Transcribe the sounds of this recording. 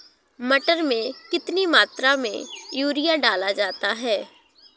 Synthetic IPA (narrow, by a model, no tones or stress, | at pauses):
mɐʈəɾmẽkɪt̪nimaːt̪ɾamḛ̃juːɾijaɖaːlad͡ʒaːt̪aɦɛː